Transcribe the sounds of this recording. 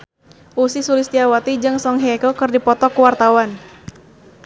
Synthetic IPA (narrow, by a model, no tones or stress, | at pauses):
ʔusisulist̪iawat̪id͡ʒɨŋsɔŋɦɛkokɨrdipɔt̪ɔkuwart̪awan